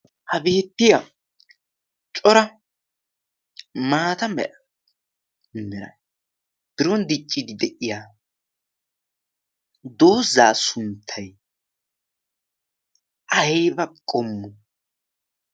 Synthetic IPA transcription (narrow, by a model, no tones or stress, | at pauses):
hɐbeːt̪ːɪjɐ | t͡ʃʼɔɾɐ | maːt̪ɐmɛ̰ʔɐ | mɛɾɐ̰ | b̥ɪɾɔnd̪ɪt͡ʃʼːɪd̪ɪd̪ɛʔɪjaː | d̪o̞ːzːaːsʊnt̪ʰːɐj | ʔɐbɐkʼɔmːʊ